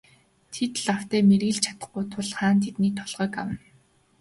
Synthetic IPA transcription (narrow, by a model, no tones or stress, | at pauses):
t̪ʰet̪ɮaw̥t̪æːmerɣɘ̆ɮt͡ɕʰḁt̪ə̆χɡʊjt̪ʰʊɮχaːnt̪ʰet̪niːt̪ʰɔɮʁœːkawə̆n